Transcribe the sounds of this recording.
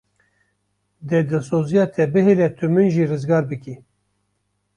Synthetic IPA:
d̪ɛd̪ɨlsoːzijɑːt̪ʰɛbɨɦelɛt̪ʰɨmɨnʒiːrɨzɡɑːɾbɨki

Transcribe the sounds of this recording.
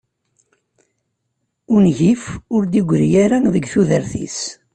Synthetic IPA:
ʊnʝifʊɾd̪iɡʷɾjaɾænðəɡθuðəɾθḭs

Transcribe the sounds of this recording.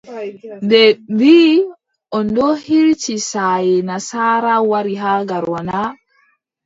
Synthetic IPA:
ndɛbiː | ʔɔndɔhiɾt͡ʃisajɛnasaːɾawaɾiɦaɡaɾwana

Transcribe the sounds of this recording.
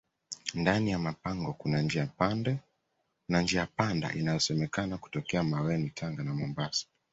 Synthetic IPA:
ndanijamapaŋɡɔkunand͡ʒiapandɛ | nand͡ʒiaapanda̰ʔinajɔsɛmɛkanaku̥tɔkɛamawɛnitʰaŋɡanamɔmbasḁ

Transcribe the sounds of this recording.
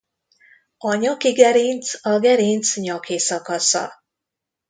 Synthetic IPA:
ɒɲɒkiɡɛɾint̪sɒɡɛɾint̪sɲɒkeːsɒkɒsɒ̰

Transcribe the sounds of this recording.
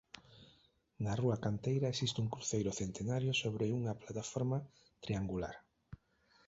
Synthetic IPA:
nɐruakant̪ejɾɐesist̪ɪuŋkɾuθejɾʊθent̪enaɾjʊsoβɾɪuŋɐplat̪afoɾma | t̪ɾiaŋɡula̰ɾ

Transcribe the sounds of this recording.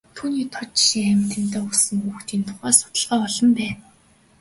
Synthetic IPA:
t̪ʰuːniːt̪ʰɔt͡ɕʃiŋæmʲʰt̪ɘ̆n̥t̪eːʊsə̆ŋxuːxt̪iːnt̪ʰʊ̥χæːsʊ̥t̪ə̆ɮʁɔːɔɮɞ̆mpæːn

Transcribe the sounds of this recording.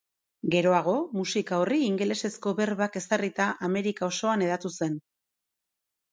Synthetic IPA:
ɡe̞ɾo̞aɣ̞o̞musikaoriːŋɡele̞se̞sko̞βe̞ɾβake̞sarit̪aʔame̞ɾikao̞so̞ane̞ð̞at̪use̞n

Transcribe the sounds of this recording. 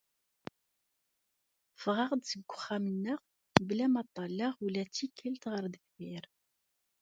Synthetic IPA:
fʁɑʁd̪səɡʷːʊχːæmənːəʁ | blæmɑt̪ˤːɑlːɑʁulæt͡sːikʰːælt̪ʁəɾðəkfɪɾ

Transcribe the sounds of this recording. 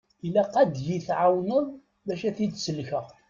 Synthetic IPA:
ilæqæd̪jiθʕawnəðˤ | bæʃæθid̪səlçəʁ

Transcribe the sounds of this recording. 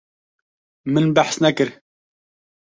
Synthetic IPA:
mɨnbaħsnɛkɨɾ

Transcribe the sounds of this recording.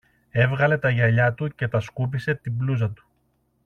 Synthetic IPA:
e̞vɣɐle̞t̪ɐʝɐʎɐt̪uce̞t̪ɐskup̬ise̞t̪ibluz̬ɐt̪u̥

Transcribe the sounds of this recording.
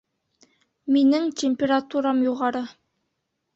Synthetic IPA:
minɘŋtʲemʲpʲeɾat̪uɾɑmjuʁɑɾɤ

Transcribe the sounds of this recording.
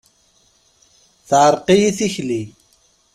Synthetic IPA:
θaːɾqiθixli

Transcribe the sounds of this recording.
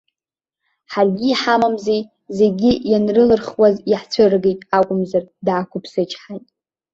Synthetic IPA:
ħarɡʲiːħamamzej | ze̞ɡʲijanrɨlɨrχwaziħt͡sʷʰɨrɡejtʼakʷʼʊmzardaːkʷʰʊpʰsɨt͡ʃʼħajtʼ

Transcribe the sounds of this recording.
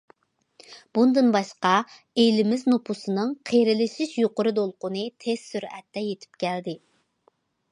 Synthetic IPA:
b̥und̪ɨnbɑʃqɑ | elɪmɪznopʰusɨnɨŋqʰeɾɪlɪʃɪʃjoqʊɾɨd̪olˠqʊnɨt̪ʰez̥syɾɛ̰t̪ːɛjet̪ʰɪ̥p̚kʲʰɛld̪ɪ

